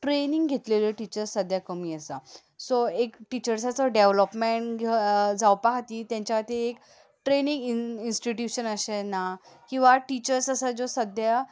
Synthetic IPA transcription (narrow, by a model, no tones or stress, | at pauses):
ʈɾenĩŋɡɡʱet̪leləʈit͡ɕəɾsəd̪ʱjakəmiːəsa | soekʈit͡ɕəɾsat͡səɖeʋləpmeɳʈɡʱed͡zawpaɦat̪iːt̪jãɲt͡ɕjaat̪iek | ʈɾenĩŋɡiinsʈiʈjuɕənəɕenakĩw̃ʋaʈit͡ɕəɾsəsad͡zosəd̪ʱja